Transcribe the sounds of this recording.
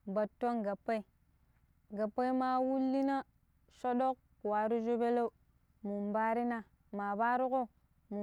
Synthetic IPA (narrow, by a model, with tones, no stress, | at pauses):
ba˨tːo˦ŋɡa˨pːa˦i˨ | ɡa˨pːa˦i˦ma˦wu˦lːi˦na˦ | ʃo˦ɗo˦k̚ | wa˨˦ɾu˦d͡ʒo˦be˦lo˦u˨ | mu˨mba˦ɾi˦na˦ | ma˨ba˦ɾu˦ko˦ | mu˨